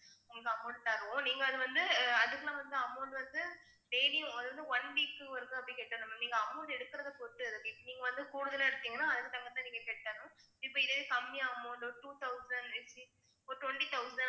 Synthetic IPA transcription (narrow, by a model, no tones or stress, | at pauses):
ʊŋɡɭɐkːɯɐmːoːɳɖt̪aːɾɯʋʊ̃niːŋɡɐːðɯʋɐnd̪ɯɐðɯkːɐlãːʋɐnd̪ɯɐmːoːɳɖɯʋɐnd̪ɯ | ɖeːlɪjʊ̃ɐðɯʋɐnd̪ɯʋɐnʋiːkːɯʋɐɾɯkːɯ̃ɐpːɐɽĩkeːʈːaːnɐmniːŋɡɐɐmːɐːɳɖɛɽɯkːɪɾɐðɐpoːʈːɯɐðɯkːɪpːoniːŋɡɐʋɐnd̪ɯkuːɽɯðɐlɐɛɽɯt̪ːiːŋɡɐnːãːɐðɯkːɯt̪ɐŋɡɐt̪ːãniːŋɡɐkeːʈʈːaːɾɯʊ̃ | ɪpːoːɪðɐðekɐmːɪjaːɐmːoɳoʈuːt̪ɐʊsɐɳɖɛsi | oʈwɐɳʈit̪ɐʊsɐn